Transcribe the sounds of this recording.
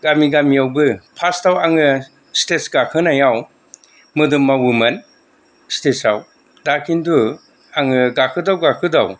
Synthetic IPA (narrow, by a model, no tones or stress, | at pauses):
ɡamiɡamijawbɯpʰastawaŋɯ | stesɡakʰɯnajaw | mɯdɯmːawumɐn | stesaw | dakʰindu | aŋɯɡakʰɯdawɡakʰɯdaw